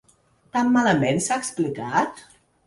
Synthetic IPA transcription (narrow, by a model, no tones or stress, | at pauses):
t̪amːaləmensaəksplikat̪